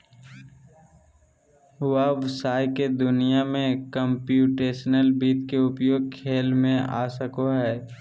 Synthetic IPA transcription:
waʋɪsaːjked̪ʊnijamẽkəmpjuːʈeːʃənəlbiːt̪keʊpjoːɡ̚kʰeːlmẽʔa̰ːsəkoɦɛː

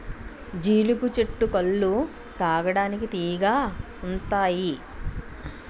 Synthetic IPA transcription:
d͡ʒiːlukut͡ʃeʈːukɐɭːu | t̪aːɡɐɽaːnikit̪iːɡaː | unt̪aːji

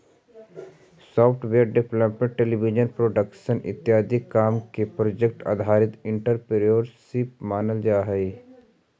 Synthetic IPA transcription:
sɔːpʰʈʰʋeːɾɖɪpləpmə̃ɳʈʈeːlibid͡ʒənpɾoːɖəkʃənʔɪ̰t̪ːjaːd̪ɪkːaːmkepɾoːd͡ʒek̚ʈa̰ːd̪ʱaːɾɪt̪ɪ̃ɳʈəɾpeɾioɾʃipmaːnəld͡ʒaːɦɛi

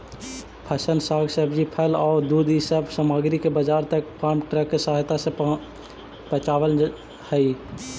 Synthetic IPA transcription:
pʰəsənsaːɡsəbd͡ʒipʰəlɔːɾd̪uːd̪isəbsaːmaːɡɾikebəd͡ʒaːɾt̪ək̚paːmʈɾɛkːesaɦɪt̪ase | pət͡ʃaːwəl | həiː

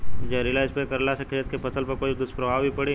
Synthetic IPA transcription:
d͡ʒeɾilaːɪspekəɾlasɐkʰɾijət̪kepɐsəlpɐɾkoːid̪ʊspɾɐbʱaːʋbʱipɐɽi

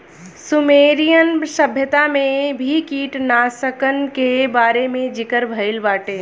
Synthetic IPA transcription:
sʊmeːɾijənʃəbʱjət̪amẽbʱikiːʈnasəkənkebaːɾemẽd͡ʒɪkəɾbʱəɪlbaːʈeː

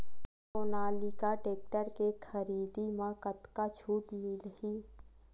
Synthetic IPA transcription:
ʊnaːlikaʈeːk̚ʈəɾkekʰəɾiːd̪imãkət̪kat͡ʃʰuːʈmilhiː

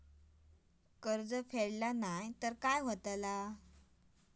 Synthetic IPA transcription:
kəɾd͡zəfeɽlanajt̪əɾkajɦot̪la

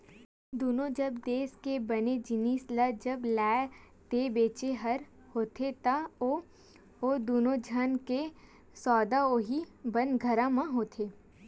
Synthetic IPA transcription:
d̪oːnõd͡ʒɐbd̪eːskebɐned͡ʒɪnisləd͡ʒɐblɛː | t̪ebeːt͡ʃeɦɐɾ | hoːt̪ʰet̪ao | oːd̪oːnõd͡ʒʱənke | sɔːd̪aoːɦibɐ̃nd̪ɡʱɐɾãmãɦoːt̪ʰeː

